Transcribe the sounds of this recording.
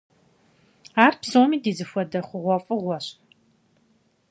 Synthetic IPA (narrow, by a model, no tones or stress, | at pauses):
aːrpsoːmiːdiːzɨfʷɔdɐχʷʊʁʷɔfʼɨʁʷɔɕʼ